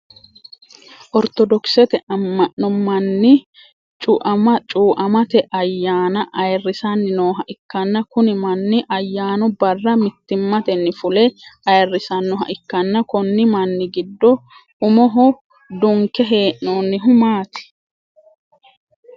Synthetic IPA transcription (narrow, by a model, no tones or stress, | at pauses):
ʔɔɾt̪ɔd̪ɔksɛt̪ɛʔɐmːɐʔnːɔmɐnːɪ | t͡ʃʼʊʔɐmɐt͡ʃʼuːʔɐmɐt̪ɛʔɐjːaːnɐʔɐjrːɪsɐnːɪnoːɦɐʔɪkːɐnːɐkʊnɪmɐnːɪʔɐjːaːnʊbɐrːɐmɪt̪ːɪmːɐt̪ɛnːɪfʊlɛʔɐjrːɪsɐnːɔɦɐ̰ʔɪkːɐnːɐkɔnːɪmɐnːɪɡɪd̪ːɔ | ʊmɔɦɔ | d̪ʊŋkːɛɦe̞ːʔnoːnːɪɦʊmaːt̪ɪ̥